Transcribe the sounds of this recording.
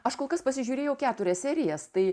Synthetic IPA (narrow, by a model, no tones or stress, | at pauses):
ɐʃkoːlˠkɐspɐsʲɪʒʲuːɾʲeːjɛʊkʲæːt̪ʊɾʲɛsʲsʲæːɾʲɪjɛst̪ɐɪ